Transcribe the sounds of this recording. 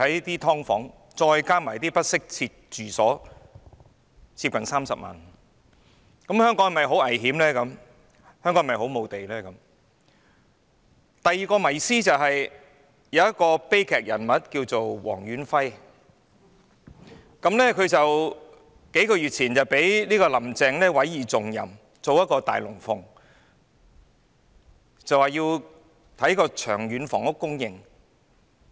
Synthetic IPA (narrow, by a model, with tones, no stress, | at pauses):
ɐ˨˥jt̪iː˥t̪ʰɔː˥ŋfɔː˨˥ŋ | t͡sɔː˧jkaː˥maː˨˩jt̪iː˥pɐ˥t̚sɪ˥k̚t͡sʰiː˧t̚t͡ʃyː˨sɔː˨˥ | t͡sʰiː˧p̚kɐ˨nsaː˥msɐ̰˨p̚ma̰ː˨˩n | kɐ˨˥mhœː˥ŋkɔː˨˥ŋ˨˩mɐ˨jɦo˨˥wɐ˨˩jɦiː˨˥mlɛː˥kɐ˨˥m | hœː˥ŋkːɔ˨˥ŋ˨mɐ˨jho˨˥wmo˨˧wt̪e˨jlɛː˥kɐ˨˥m | t̪ɐ˨jːiː˨˩kɔː˧mɐ˨˩jsiː˥t͡sɐ˨wɦɐ˨j | jɐ˨wɐ˥t̚kɔː˧pe˥jkʰɛː˨˩k̚jɐ̰˨˩nmɐ˨t̚kiː˧wt͡so˨wwɔ̰ː˨˩ŋjyː˨˥nfɐ˥j | kɐ˨˥mnɛː˥kʰɵ˨˧ɥt͡sɐ˨w | ke˨˥jkɔː˧jyː˨t̚t͡sʰiː˨˩nt͡sɐ˨wpe˨˥jliː˥kɔː˧lɐ˨˩mt͡sɛː˨ŋlɛː˥wɐ˨˥jiː˨t͡sʊ˨ŋjɐ̰˨˩m | t͡so˨wjɐ˥t̚kɔː˧t̪a̰ː˨jlʊ˨˩ŋfʊ˨˥ŋ | t͡sɐ˨waː˨jiː˧w | t̪ʰɐ˨˥jkɔː˧t͡ʃʰœː˨˩ŋɥyː˨˥nfɔ̰ː˨˩ŋʊ˥kːʊ˥ŋjɪ˨ŋ